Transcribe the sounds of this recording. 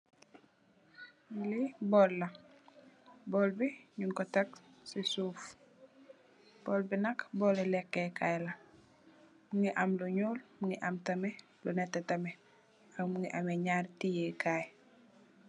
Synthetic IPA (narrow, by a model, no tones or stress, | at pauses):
libɔːlːɐ | bɔːlbiɲuŋkɔtɐksisuːf | b̥ɔːlbinɐkbɔːlelɛkːekajlɐ | muŋiʔamluɲoːlmuŋiʔamtɐmɛ | lunɛtetɐmɛ | akmuŋiʔameɲaːɾtijekʰaːj